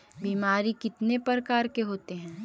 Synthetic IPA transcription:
biːmaːɾikɪt̪nepəɾkaːɾkeɦoːt̪eɦɛ̃ː

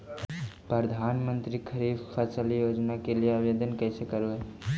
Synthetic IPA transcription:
pɾəd̪ʱanmənt̪ɾikʰəɾifʰkʰət͡ʃəlijod͡ʒnakelijeabed̪ənkəjsekəɾoe

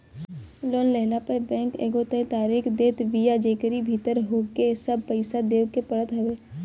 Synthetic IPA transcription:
loːnlɛɦnapəbɛ̃ːŋkḛːɡot̪ə̃t̪aːɾiːkd̪eːt̪ʋijad͡ʒeːkɾibʱit̪əɾɦoːkesəb̚pəɪsad̪eːʋkepəɽət̪ɦɐʋeː

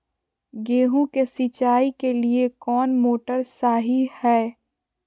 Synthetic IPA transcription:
ɡeːɦũkesit͡ʃaːikeliekɔːnmoːʈəɾsaːɦihɛː

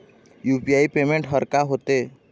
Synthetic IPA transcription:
juːpiaːipeːmẽɳʈɦəɾkaɦoːt̪eː

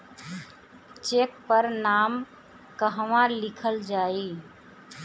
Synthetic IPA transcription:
t͡ʃek̚pəɾnam | kəɦʋãlikʰəld͡ʒai

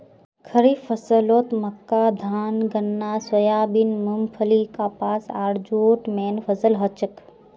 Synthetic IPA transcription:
kʰəɾiːfəsəloːt̪mɐkːaːd̪ʱaːnɡənːaːswɐjaːbinmumfʰəlikaːpaːsaːɾd͡ʒoːʈmeːnfʰɐzəlɦɐt͡ʃək

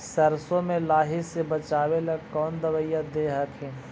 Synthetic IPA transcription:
səɾsõmẽlaːɦɪsebət͡ʃaːweləɡkɔːnd̪əʋəjad̪eːɦəkɦɛ̃ː

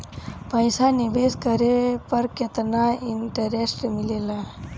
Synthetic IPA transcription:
pə̃jsanibeskəɾepəɾket̪naiɳʈəɾesʈmilela

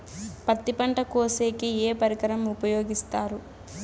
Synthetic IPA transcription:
pɐt̪ːipɐɳʈɐkoːseːkieːpɐɾikɐɾɐmupɐjoːɡist̪aːɾu

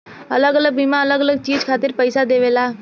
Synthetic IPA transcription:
ələɡələɡ̚bimãələɡələɡ̚t͡ʃiːd͡ʒkʰaːt̪ɪɾpəɪsad̪eːʋeːlaː

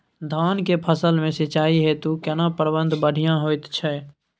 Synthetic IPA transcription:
d̪ʱaːnkepʰəsəlmẽsət͡ʃaːiɦet̪ukɛnãpəɾbə̃nd̪ʱbəɽʱijãɦoːɪt̪t͡ʃʰɛː

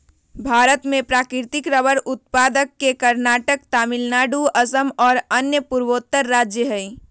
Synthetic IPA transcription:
bʱaɾət̪mepɾakɪɾt̪ikɾəbəɾut̪̚pad̪əkːekəɾnaʈəkt̪amilnaɖuəsəmɔːɾənjəpuɾʋot̪ːəɾːad͡ʒjəɦəi

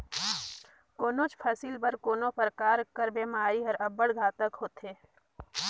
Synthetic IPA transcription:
koːnõt͡ʃpʰɐsiːlbɐɾkoːnõpəɾkaːɾkəɾbeːmaːɾiɦɐɾɐbəɽɡʱaːt̪əkɦoːt̪ɦeː

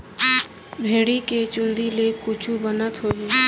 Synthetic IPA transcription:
bʱeːɽiket͡ʃʊ̃nd̪ilekʊt͡ʃʰubənət̪ɦoːi

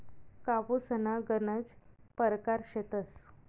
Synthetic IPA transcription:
kaʋusənaɡənəd͡zpəɾkaɾɕet̪əs

